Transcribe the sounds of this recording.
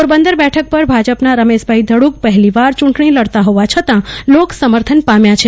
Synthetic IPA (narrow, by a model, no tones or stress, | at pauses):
oɾbənd̪əɾbɛʈʰək̚pəɾbʱad͡ʒəpnaɾəmeʃbʱaid̪ʱəɽuk̚pəɦɛliʋaɾt͡ʃũɳʈɳ̃iləɽt̪aɦoʋat͡ʃʰət̪ãloksəməɾt̪ʰənpamjat͡ʃʰe